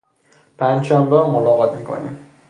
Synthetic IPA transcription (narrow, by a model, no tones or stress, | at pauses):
pʰænʃambamolɒʁɒt̪mikʰo̰nḭm